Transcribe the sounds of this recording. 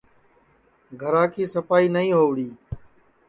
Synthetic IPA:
ɡʱəɾaːkʰiːsəpaːiːnəĩːɦoːʋɽiː

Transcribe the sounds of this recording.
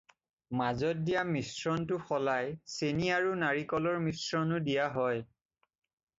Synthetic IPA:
mazɔt̚dijamisɹɔntʊxɔlajseniaɹunaɹikɔlɔɹmisɹɔnʊdijaɦɔj

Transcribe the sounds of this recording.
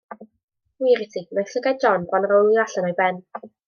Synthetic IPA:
wiɾɪtʰimɛɬəɡɛd̚d͡ʒɔnbwanrowlˠiaɬənɔjbɛn

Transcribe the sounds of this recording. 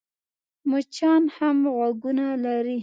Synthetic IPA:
mʊt͡ʃɑnhamɣwaɡunalaɾi

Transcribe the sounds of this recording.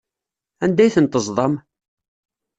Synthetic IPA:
ænd̪æjθənt̪əzˤðˤɑm

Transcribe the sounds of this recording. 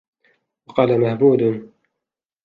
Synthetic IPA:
wɑqɑːlamahbuːd̪

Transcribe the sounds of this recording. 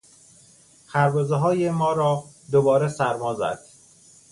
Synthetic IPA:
xʰæɾbɒːzeɦɒːjemɒːɾɒː | d̪obɒːɾesæɾmɒːzæ̰d̪̥

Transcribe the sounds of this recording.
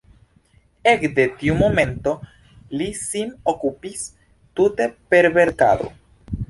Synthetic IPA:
e̞kde̞tiumo̞me̞nto̞ | lisinokupis | tute̞pe̞ɾbe̞ɾka̰do̞̰

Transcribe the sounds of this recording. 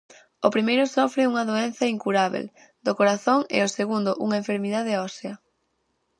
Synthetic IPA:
opɾimejɾʊsɔfɾɪuŋɐðoen̟θɐiŋkuɾaβ̞ḛl | d̪okoɾaθoŋɪ̰oseɣund̪ʊʔuŋɐeɱfeɾmiðað̞eɔseɐ

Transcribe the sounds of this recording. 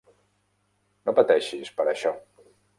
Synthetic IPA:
nopət̪ɛʃispəɾəʃɔ

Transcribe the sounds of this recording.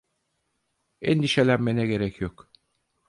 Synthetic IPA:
ɛnd̪iʃelʲæmːenɛɡɟeɾɛcʰjok

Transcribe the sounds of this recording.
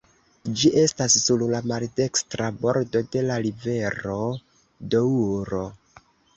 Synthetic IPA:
d͡ʒiʔe̞stasːullamalde̞kstɾabo̞ɾdo̞de̞laɾive̞ɾo̞ | douɾo̞

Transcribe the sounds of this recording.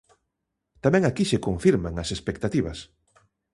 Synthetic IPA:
t̪amɛ̃ŋakiʃekoɱfiɾmaŋɐsespek̚t̪at̪iβɐs

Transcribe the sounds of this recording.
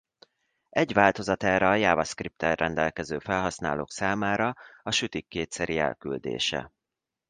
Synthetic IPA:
ɛɟʋaːlt̪o̞zɒt̪ɛːɾɛːjaːvɒskrip̚t̪ɛrːɛnd̪ɛlkɛzøːfɛlɦɒsna̰ːlo̰ːksaːmaːɾɒɒʃyt̪ikːeːt̪sɛɾiɛ̰lkyld̪ḛːʃɛ̰

